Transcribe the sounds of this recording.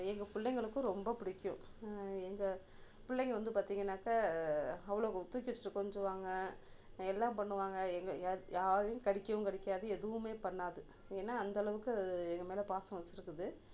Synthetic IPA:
ɛŋɡɐpʊɭːɛŋɡɐɭɯkːɯ̃ɾɔmbɐpɪɽɪkːʊ̰̃ɛŋɡɐ | pʊlːɛŋɡɐʋɐnd̪ɯpaːɾt̪iːŋɡɐnːaːkaːɐʋɐɭoːt̪uːk̬ʲːɪt͡ʃːɪ̥ʈːɯkːɔɲd͡ʒɐʋaːŋɡɐ | ɛlːãːmpɐɳːɯʋaːŋɡɐɛŋɡɐjaːðɐjʊ̃kɐɽɪkːɐjʊ̃kɐɽɪkʲːaːðɯɛðɯʋɯmeːpɐɳːaːðɯ | eːnːaːɐnd̪ɐɭɐʋɯkːɯɐɛŋɡɐmeːlɐpaːsɐ̃ʋɐt͡ʃːɪɾɯkːɯðɯ

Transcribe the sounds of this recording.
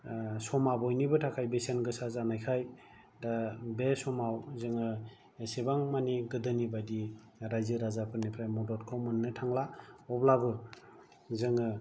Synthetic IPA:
sɔmabɔjnibɯtʰakʰajbesenɡɯsazanajkʰaj | dabesɔmawzɯŋɯ | esebaŋmaniɡɯdɯnibajdi | ɾajzɯɾazapʰɯɾnipʰɾajmɔdɔtkʰawmɯnːɯtʰaŋlaɔblabɯ | zɯŋɯ

